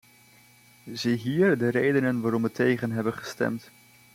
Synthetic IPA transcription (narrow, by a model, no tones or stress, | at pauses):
ziɦiːɹdərejdənənʋaːɾɔmʋətʰejχənɦɛbənχəstɛ̰mt